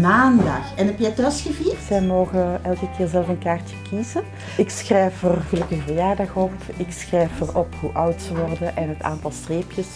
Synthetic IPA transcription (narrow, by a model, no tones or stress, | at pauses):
maːndɑ̰xɛnɦɛpjɛtɔsxəviːz̥ɛjmoːɣəɛlˠkəkɪːrzɛləfənkaːrtəkizə | ɪksxrɛjfərɣəlɵkəxvəjaːrdɑxɔpɪksxrɛjfərɔphuʔʌwtsəʋɔrdəʔɛnɦəta̰ːntɑlˠstreːpjəs